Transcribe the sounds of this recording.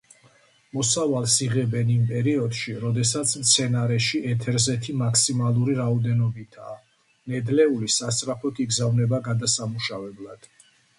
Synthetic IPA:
mɔsavalˠsiʁɛbɛnimpʼɛɾiɔd̪ʃiɾɔd̪ɛsat̪sʰmt̪sʰɛnaɾɛʃiʔɛt̪ʰɛɾzɛt̪ʰimakʰsimalˠuɾiɾaɔd̪ɛnɔbit̪ʰa̰ː | nɛd̪lɛulisast̪ʼɾapʰɔt̪ʰiɡzavnɛbaɡad̪asamuʃavɛblad̪̥

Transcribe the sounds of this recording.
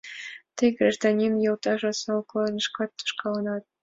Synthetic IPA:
t̪ɘjɡrʲiʐd̪ɑnʲinjɤ̆lˠt̪ɑʒɑsɑuklˠɑnɤ̆ʂkɑt̪ːŭ̥ʃkɑlˠɑ̆nɑt̪̚

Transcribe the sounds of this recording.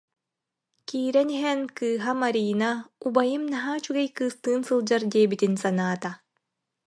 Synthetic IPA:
kiːɾɛniɦɛnkɯːɦamaɾiːnaubajɯmnaɦaːt͡ɕyɡɛjkɯːst̪ɯːnsɯlˠd͡ʑaɾd̪iːɛbit̪insanaːt̪a

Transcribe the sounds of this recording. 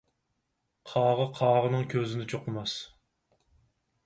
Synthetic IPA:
qʰɑːʁəqʰɑːʁənɨŋkʲʰøzɪnɪt͡ʃʰoqəmɑs

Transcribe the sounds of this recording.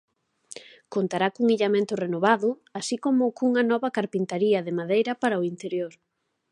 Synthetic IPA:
kont̪aɾakuŋiʎamẽnt̪ʊrenoβaðʊ | asikomʊkuŋɐnɔβɐkaɾpint̪aɾiɐðɪmaðejɾɐpaɾɐʊint̪eɾjoɾ

